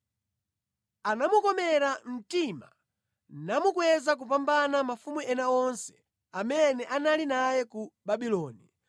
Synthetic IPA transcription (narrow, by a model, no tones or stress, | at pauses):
anamukɔmɛɾam̩tima̰ | namukwɛzak̬up̬ambanamafumuɛnaɔnsɛ̥ | amɛnɛʔanalinajɛkubaɓilɔːni